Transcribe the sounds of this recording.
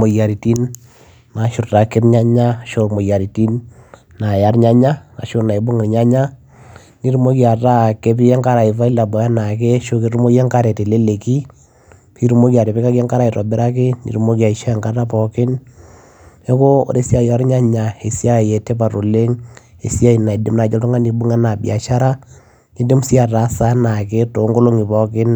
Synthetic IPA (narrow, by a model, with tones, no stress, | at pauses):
mo˨ja˨ɾi˨ti˦n | ma˨ʃʊ˨ɾta˨kɪ˦ɾɲa˦ɲa˦ʃo˦mo˨ja˨ɾi˨ti˦nː | a˨ja˨˦ɾɲa˦ɲa˦a̰˨ʃo˦na˨i˨bo˦ŋɪ˨ɾɲa˦ɲa˦ | ni˦ɾu˦mo˦kja˨ta˦˨ke˦p̬i˦jɛ˦ŋka˦ɾa˨i˨fa˦i˦la˨bɔ˨ja˦na˨kɛ˦ʃo˦ki˦ɾu˦mo˦jɛ˦ŋka˦ɾɛ˨te˨le˦le˨ki˦ | pi˦ɾu˦mo˦kja˨ɾe˨pi˦ka˦kɛ˦ŋka˦ɾa˨i˨tɔ˨bɛ˦ɾa˦ke˦nḭ˨ɾu˦mo˦kja˨i˨ʃa˦ɛ˨ŋka˦ta˦pɔ˨kɪ˦n | e˦ko˦o̰˦ɾe˦si˦a˦jɔ˦ɾɲa˦ɲa˨e˨sja˦˨jɛ˨te˦pa˨ɾo˨le˦ŋ | e˨sja˦i˨na˨i˨dɪ˦mna˨t͡ʃɔ˦tu˦ŋa˦ni˨bu˦ŋɛ˦na˨bḭa̰˨ʃa˦ɾa˦ | ŋi˦dɪ˦m˦si˦a˨ta˨˦sa˦na˨ke˦to˨˦ŋɡo˦lo˦ŋi˨pɔ˨kɪ˦n